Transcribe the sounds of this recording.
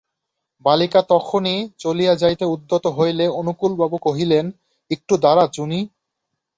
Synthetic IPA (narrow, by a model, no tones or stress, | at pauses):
balikat̪ɔkʰonit͡ɕolijad͡ʑajt̪eud̪ːot̪oɦojleonukulbabukoɦilen | ek̚ʈud̪aɾat͡ɕuni